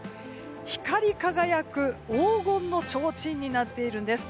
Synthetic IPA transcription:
çi̥kaɾʲikaɡajakɯ̟oːɡõ̞nːo̞t͡ɕo̞ːt͡ɕĩɲ̟ːinat̪ːe̞iɾɯ̟nd̪e̞sɨ̥

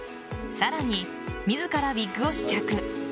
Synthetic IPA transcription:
saɾaɲ̟i | mʲizɨkaɾabʲikːɯ̟o̞ɕi̥t͡ɕakɯ̟

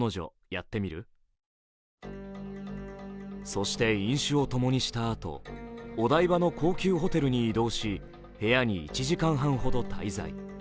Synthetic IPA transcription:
no̞ʑo̞̰ | jat̪ːe̞mʲiɾɯ̟̰ | so̞ɕi̥t̪e̞ĩɰ̃ɕɨo̞t̪o̞mo̞ɲ̟iɕi̥t̪aːt̪o̞̰ːd̪aibano̞ko̞ːkʲɨːɦo̞t̪e̞ɾɯ̟ɲ̟iːd̪o̞ːɕi | he̞jaɲ̟iit͡ɕiʑikãɰ̃ɦãɰ̃ɦo̞d̪o̞t̪ʰa̰iza̰ḭ

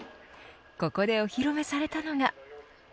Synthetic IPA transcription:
ko̞ko̞d̪e̞oçiɾo̞me̞saɾe̞t̪ano̞ɡa

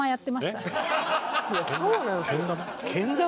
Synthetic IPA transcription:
ajat̪ːe̞maiet̪a | jasoːnãokẽnd̪ãm | kʰẽnd̪ã

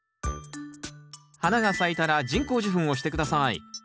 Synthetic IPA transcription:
hanaɡasait̪aɾad͡ʑĩŋko̞ːʑiɸɯ̟̃ɰ̃o̞ɕi̥t̪e̞kɯ̟d̪asaḭ

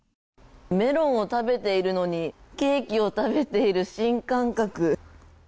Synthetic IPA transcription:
me̞ɾõ̞ɰ̃o̞t̪abe̞t̪e̞iɾɯ̟no̞ɲ̟ike̞ːkʲio̞t̪abe̞t̪e̞iɾɯ̟ɕĩŋkãŋkakɯ̟

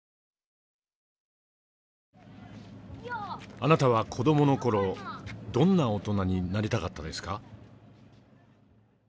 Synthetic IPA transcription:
anat̪aβakʰo̞d̪o̞mo̞no̞ko̞ɾo̞d̪õ̞nːaot̪o̞naɲ̟inaɾʲit̪akat̪ːad̪e̞sɨ̥ka

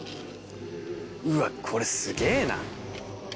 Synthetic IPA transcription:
ɯakʰoɾesɨɡeːna̰

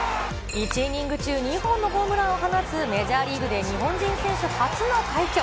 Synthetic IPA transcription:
it͡ɕiɲʲĩŋɡɯ̟t͡ɕɨːɲ̟ihõ̞nːo̞ɦoːmɯ̟ɾãɰ̃oɦanasɨme̞ʑaːɾʲiːɡɯ̟d̪e̞ɲ̟iɦõ̞ɲd͡ʑĩɰ̃sẽ̞ɰ̃ɕɨhat͡sɨnot̪aikʲo

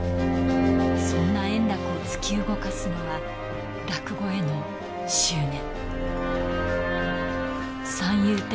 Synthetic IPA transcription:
sõ̞nːaẽ̞nd̪akɯo̞t͡sɨ̥kʲiɯɡo̞kasɨnoβa | ɾakɯ̟ɡo̞e̞no̞ | ɕɨːnẽ̞ŋ̃ | sãɰ̃jɯːt̪

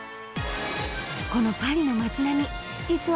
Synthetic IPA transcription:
ko̞no̞paɾʲino̞mat͡ɕinamʲi | d͡ʑit͡sɨ

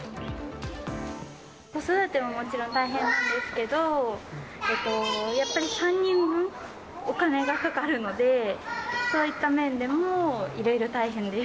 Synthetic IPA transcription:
ko̞so̞d̪at̪emamo̞t͡ɕiɾõ̞nt̪aiɦẽ̞nːãnd̪e̞sɨ̥ke̞d̪o̞ | et̪ːo̞japːaɾʲisãɲ̟ːĩmbɯ̟̃ɴ | o̞kane̞ɡakakaɾɯ̟no̞d̪e̞ | so̞ːit̪ːamẽ̞nd̪e̞mo̞iɾo̞iɾo̞t̪aiɦẽ̞nd̪e

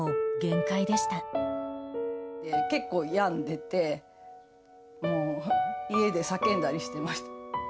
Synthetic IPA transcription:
oɡẽ̞ŋkaid̪e̞ɕi̥t̪a | t̪eke̞kːo̞ːjãnd̪e̞t̪e̞ | moːie̞d̪e̞sakẽ̞nd̪aɾʲiɕi̥t̪e̞maɕi̥t̪a

